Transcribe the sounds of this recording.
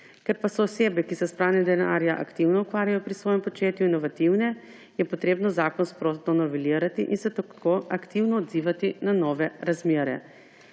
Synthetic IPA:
kɛɾpasɔːseːbɛkisɛspɾaːnɛd̪ɛna̰ɾjaʔa̰kt̪iwnɔukʋaːɾjajɔpɾisʋɔːjɛmpɔt͡ʃeːt̪juinɔʋat̪iwnɛ | jɛpɔt̪ɾeːbnɔzaːkɔnspɾot̪ɔnɔʋɛliːɾat̪iʔinsɛt̪akʰoakt̪iwnɔːd̪ziːʋat̪inanɔːʋɛɾazmeːɾɛ̰

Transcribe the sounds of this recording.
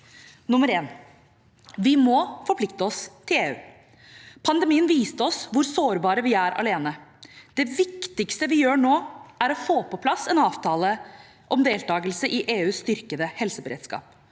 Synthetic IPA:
nʊməɾeːn | ʋɪmɔfɔɾpʰlɪkt̪əɔst̪ʰɪleːʉ̰ː | pʰɑnd̪ɛmiːənʋiːst̪əɔsʋʊɾsoːɾbɑːɾəʋɪæɾɑ̰leːnəd̪̥ɛʋɪkt̪ɪkst̪əʋɪjøːɳoːæɾɔfoːpɔpʰlɑsɛnɑːʋt̪ʰɑːlə | ʔɔmd̪eːlt̪ɑːɡəlsəʔɪʔeːʉːst̪ʏɾkəd̪əhɛlsəbəɾḛd̪skɑ̰ːp

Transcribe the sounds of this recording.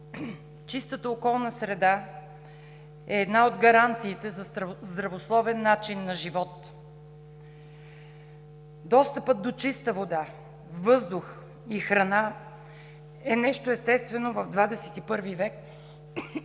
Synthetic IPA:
t͡ʃist̪ət̪əokɔlˠnəsɾɛd̪a | ɛːd̪naod̪ɡɐɾant̪siːt̪ɛzɐzd̪ɾɐvoslˠɔvɛnːat͡ʃinːɐʒivɔt̪ | d̪ɔst̪əpət̪̚d̪ot͡ʃist̪əvod̪a | vɤzd̪ʊx | ixɾɐna | ɛnɛʃt̪oɛst̪ɛst̪vɛnovɐvd̪vad̪ɛsɛ̥t̪ipɤɾvivɛk

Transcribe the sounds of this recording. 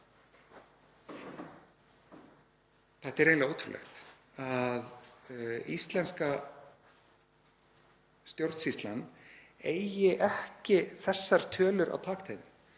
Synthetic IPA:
θɛht̪aɛɾeːnaɣoːt̪ʰɾṵlʔɛ̰xt̪ | að | ist̪lɛnska | st̪jowɾt̪sist̪lanː | eːjjɪʔɛhcɪθɛsːaɾ̥t̪ʰœːlʏɾʔa̰wt̪ʰaːkt̪ʰeːjðɪm

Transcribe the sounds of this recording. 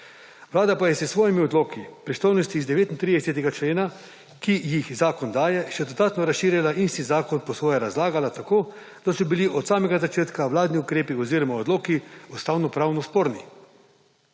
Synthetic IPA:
ʋlaːd̪apajɛsɛsʋoːjimiɔd̪loːkipɾist̪oːjnɔst̪iːzd̪ɛʋeːt̪int̪ɾid̪ɛsɛt̪̬ɛɡat͡ʃleːna | kijixzaːkɔnd̪aːjɛʃɛd̪od̪aːt̪nɔɾasʃiːɾjalaʔist̪izaːkɔnpɔsʋoːjɛɾazlaːɡalat̪akoː | d̪̥asɔbiliʔɔt̪saːmɛɡazat͡ʃeːt̪kaʋlaːd̪niukɾeːpiɔziːɾɔmaod̪loːkiɔst̪awnɔpɾaːwnɔspoːɾni

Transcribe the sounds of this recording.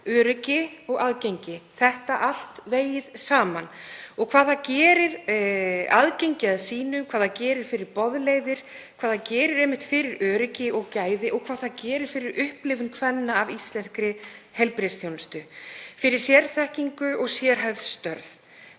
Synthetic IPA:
œːɾʏcɪɔɣaðcejɲcɪθɛht̪aʔal̥t̪veːjɪðsaːmanɔɣkʰv̥aːðacɛːɾɪɾ | a̰ðcejɲcɪaðsiːnʏmkʰvaːðacɛːɾɪɾ̥fɪɾɪɾpɔðleːjðɪɾ̥ | kʰvaːðacɛːɾɪɾɛjmɪht̪fɪɾɪɾœːɾʏcɪɔɣcaːjðɪʔɔɣkʰvaːðθaðcɛːɾɪɾ̥fɪɾɪɾʔʏhplɪvʏmkʰvɛnːaːvist̪lɛnskɾɪ | hɛlpɾɪsθjownst̪ʏfɪɾɪɾ̥sjɛɾθɛhciŋkʏɔɣsjɛːɾɦajvðst̪œɾð

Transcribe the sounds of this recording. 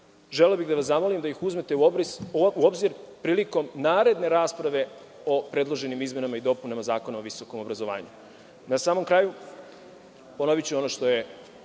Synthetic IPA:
ʒeleobixd̪aʋasamolimd̪aixuzmet̪eɾuobziɾpɾiːliko̞mnaːɾe̞d̪ne̞ɾaːspɾaʋe̞ | opɾe̞d̪lˠo̞ʒe̞nimizme̞namaid̪o̞punamazaːko̞naoʋiso̞ko̞mo̞bɾazo̞ʋa̰ːɲu | nasaːmo̞mkɾaːju | pono̞ʋit͡ɕuo̞noʃt̪o̞je

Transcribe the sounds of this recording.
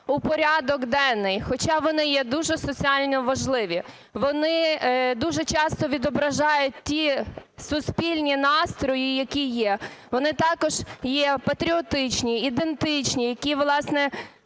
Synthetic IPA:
ʊpɔɾʲad̪ɔɡd̪ɛnːɪjxɔt͡ʃɑʋɔnɪjɛd̪uʒɛsɔt͡sʲiɑlʲnɔʋɐʒlˠɪʋʲi | ʋɔnɪd̪uʒɛt͡ʃɑst̪ɔʋʲid̪ɔbɾɐʒɑjʊt̚ʲtʲisʊspʲilʲnʲinɑst̪ɾɔjijɐkʲijɛʋɔnɪt̪ɑkɔʒ̥jɛpɐt̪ɾʲiɔt̪ɪt͡ʃnʲiːd̪ent̪ɪt͡ʃnʲijɐkʲiʋlˠɑsnɛ

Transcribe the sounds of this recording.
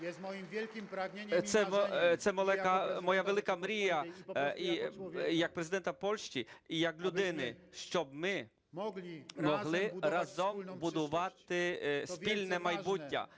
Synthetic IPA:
jlʲiɾsɛɔt̪sɛmɔlˠɛkɐmɔjaʋelˠɪkɐmɾʲijɐijɐk̚pɾezɪd̪ɛnt̪ɐpɔlʲʃt͡ʃʲiijɐklʲud̪ɪnɪʃt͡ʃɔbmɪ | mɔɦlˠɪɾɑzɔmbʊd̪ʊʋɑt̪ɪspʲilʲnɛmɐjbutʲːɐ̰

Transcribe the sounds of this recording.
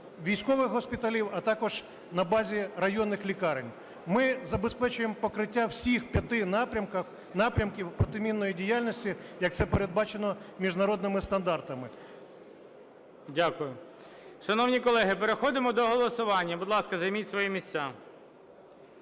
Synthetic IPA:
ʋʲijsʲkɔʋɪxɦɔspʲit̪ɐlʲiwɐt̪ɑkɔʒ | nɐbɑzʲiɾɐjɔnːɪxlʲikɑɾɪnʲ | mɪzɐbespɛt͡ʃʊjempɔkɾɪtʲːawsʲixpʲjɐt̪ɪnɾʲɐmkɐx | nɑpɾʲɐmkʲiwpɾɔt̪ɪmʲinːɔjidʲijalʲnʲɔsʲtʲijɐk̚t̪sɛpeɾed̪̚bɑt͡ʃenɔmʲiʒnɐɾɔd̪nɪmɪst̪ɐnd̪ɑrt̪ɐmɪ | dʲakʊjʊ | ʃɐnɔwnʲikɔlˠɛɦɪpeɾexɔd̪ɪmɔd̪ɔɦɔlˠɔsʊʋɑnʲːɐbʊd̪lˠɑskɐzɐjmʲitʲsʋɔjimʲisʲt͡sʲa

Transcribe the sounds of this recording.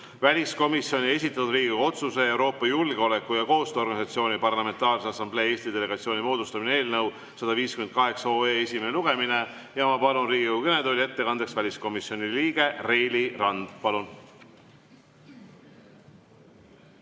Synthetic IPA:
vælʲisko̞misjo̞nʲie̞sit̪ːˑɑt̪ud̪riːɡikoɡuo̞t̪suse̞e̞wɾo̞ːpːˑɑjulɡ̥eo̞le̞kːujɑko̞ːst̪øo̞rɡɑnisɑt̪sio̞ːnʲipɑrlɑme̞nt̪ɑːlsɑsɑmble̞ːe̞ːst̪id̪e̞le̞ɡ̥ɑt̪sio̞ːnʲimo̞ːd̪ust̪ɑminee̞ːlnɤw | sɑd̪ɑviːskymen̚kɑɦe̞kso̞ːeːesʲimeneluɡ̥e̞mine̞ | jɑmɑpɑlunriːɡʲikokukened̪olʲie̞t̪ːe̞kɑnd̪̥e̞ksvælʲisko̞misjo̞niliːɡ̥e̞rejlʲirɑnd̪̥pɑlun

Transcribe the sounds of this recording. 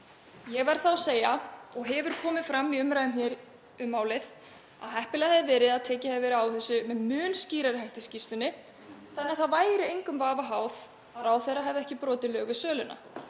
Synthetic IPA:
jɛɣvaɾ̥θaɔseːjaɔɣɦɛvʏɾ̥kʰɔːmɪðfɾamːiʏmɾajðʏmçɛ | ʏmːaːwlɪð | a̰ðhɛhpɪlaθɛðɪvɛːɾɪðaðt̪ʰɛːcɪhɛvɛːɾʏawθɛsːʏmɛðmʏːnsciːɾaɾɪɦajht̪ɪscist̪ʏnːɪ | θanːɪaθavaːjɾɪejŋkʏmvaːvaɦaːwð | aɾawθɛraɦɛvðɛhcɪpɾɔːt̪ɪlœːɣvɪðsœːlʏna̰

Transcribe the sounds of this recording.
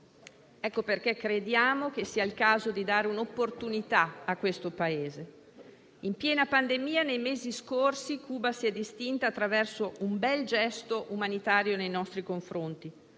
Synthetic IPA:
ɛkːoperkekːɾed̪jaːmok̟esiːailkaːzod̪id̪aːɾeunopːort̪unit̪aakːwest̪opaeːze | impjɛːnapand̪emiːanejmeːziskorsikuːbasiɛd̪ist̪int̪aːt̪ːɾavɛrsoʔumbɛld͡ʒɛst̪oʔumanit̪aːɾjonejnɔst̪ɾikoɱfɾont̪i

